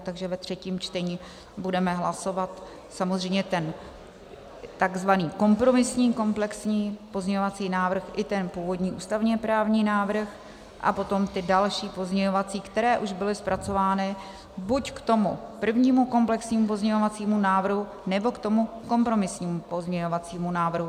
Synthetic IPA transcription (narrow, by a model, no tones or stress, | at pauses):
t̪aɡʒɛvɛt̪r̝̥ɛciːmt͡ʃt̪ɛɲiː | budɛmɛɦlaso̞vat̪ | samozr̝ɛjmɲɛt̪ɛn | t̪aɡzvaniːko̞mpɾo̞mɪsɲiːko̞mplɛksɲiːpo̞zɲɛɲovat͡siːnaːvr̩xʔɪt̪ɛnpuːvo̞dɲiːʔṵːst̪avɲɛpɾaːvɲiːnaːvɾ̩x | ʔa̰po̞t̪o̞mt̪ɪdalʃiːpo̞zɲɛɲo̞vat͡siːkt̪ɛɾɛːʔuʒbɪlɪspɾʔat͡so̞vaːnɪ | buckt̪o̞mupr̩vɲiːmuko̞mplɛksɲiːmup̬o̞zɲɛɲo̞vat͡siːmunaːvr̩ɦu | nɛbo̞kt̪o̞mu | ko̞mpɾo̞mɪsɲiːmupo̞zɲɛɲovat͡siːmunaːvr̩ɦu